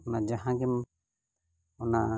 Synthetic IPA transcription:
ɔnad͡ʒaɦãɡɛm | ɔna

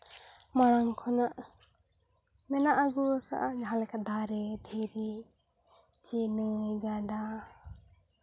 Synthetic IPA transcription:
maɽ̃aŋkʰɔnaʔ | mɛnaʔaɡuaka̰ʔad͡ʒaɦãlɛkaʔd̪aɾɛd̪ʰʱiɾi | t͡ʃinəjɡaɖa

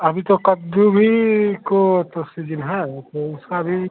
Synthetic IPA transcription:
ɐbʱit̪okɐd̪ubʱikot̪osid͡ʒənɦɛt̪oʊskabʱi

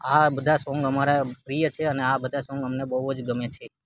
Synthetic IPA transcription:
abəd̪ʱasɔ̃ŋɡəmaɾapɾijət͡ʃʰeəneabəd̪ʱasɔ̃ŋɡəmnebəɦod͡ʒɡəmet͡ʃʰe

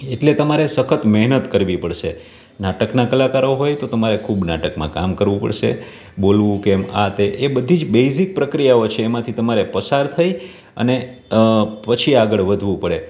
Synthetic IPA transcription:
eʈlet̪əmaɾesəkʰət̪mɛɦnət̪kəɾʋipəɽʃe | naʈəknakəlakaɾoɦojt̪ot̪əmaɾekʰubnaʈəkmã̰ka̰mkəɾʋũpə̰ɽʃḛ | bolʋũkːma̰t̪eʔebəd̪ʱid͡ʒbejsik̚pɾəkɾijaot͡ʃʰeːmãt̪ʰit̪əmaɾepəsaɾt̪ʰəj | ə̰ne | pət͡ʃʰiaɡəɭʋəd̪ʱʋũpəɭe

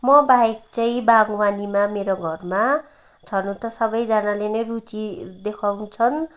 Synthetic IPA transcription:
mʌbaek̚t͡sʌĩbaɡwanimameɾoɡʱʌrma | t͡sʰʌnũt̪ʌsʌbʌjd͡zanalenʌjrut͡sid̪ekʰawt͡sʰʌn

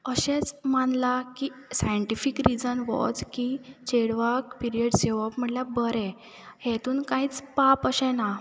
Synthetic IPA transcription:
əɕɛt͡smanlakiːsajəɳʈifikɾid͡zənʋɔ̰d͡zkit͡ɕeɽʋakpiɾiəɽseʋɔpm̤əʈlabəɾɛ̃ | het̪uːnkãiːt͡spapəɕɛna

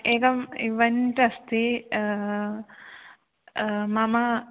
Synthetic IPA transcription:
eːkɐmiʋɐnʈɐst̪i | mɐmɐ

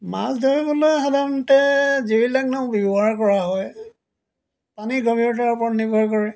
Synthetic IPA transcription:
ma̰sdɔɹibɔlojxadanɔtɛzeɹilak̚naʊ̃bibɔɦaɹkɔɹaɦɔj | paniɡɔbʱiɹɔtaaɹpɔnibɔɹkɔɹɛ

